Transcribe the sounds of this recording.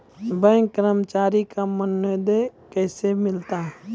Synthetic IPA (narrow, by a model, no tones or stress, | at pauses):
bə̃ŋkəɾəmt͡ʃaːɾikamənːəd̪ekɛːsemɪlt̪a